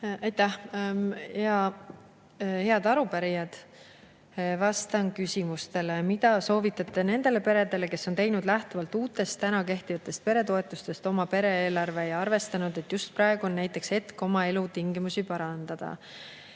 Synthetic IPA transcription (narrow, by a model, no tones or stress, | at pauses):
ɑjt̪æh | jɑ | he̞ɑd̪ɑɾupæɾijɑd̪̥ | vɑst̪ɑnkysʲimust̪e̞le̞mid̪̥ɑso̞ːvit̪ːˑɑt̪ːˑe̞ne̞nd̪̥e̞le̞pe̞ɾe̞d̪e̞le̞ke̞sːo̞nt̪e̞jnud̪̥læht̪uvɑlt̪ːuːt̪ːˑe̞st̪ːænɑke̞ht̪ivɑt̪ːˑe̞st̪̚pe̞ɾe̞t̪o̞e̞t̪ːˑust̪e̞st̪o̞mɑpe̞ɾe̞eːlɑrve̞ejɑrve̞st̪ɑnud̪e̞t̪ːˑjust̪̚prɾɑe̞ɡ̥uo̞nːæjt̪ːˑe̞kse̞t̪ko̞mɑe̞lut̪iŋɡimusipɑɾɑnd̪̥ɑd̪̥ɑ̰